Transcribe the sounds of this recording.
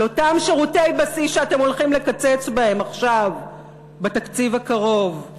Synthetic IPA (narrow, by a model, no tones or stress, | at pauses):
lo̞tamʃeʁute̞jbasisʃeatemo̞lχimle̞kat͡set͡sbahe̞maχʃav | bet̪akt͡sivakaʁo̞v